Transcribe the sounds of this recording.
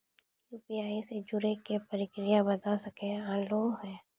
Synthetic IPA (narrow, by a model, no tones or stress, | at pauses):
juːpiaːised͡ʒʊɾekepɐɾɪkɾɪjabɐt̪asɐkẽaloːɦɛ̃ː